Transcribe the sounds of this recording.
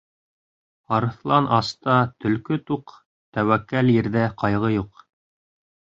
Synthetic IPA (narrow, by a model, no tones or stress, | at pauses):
ɑɾɤ̆θlˠɑnʔɑst̪ɑt̪ɵ̆lkɵt̪uq | t̪æwækːæljɘ̆ɾðæqɑjʁɤjuq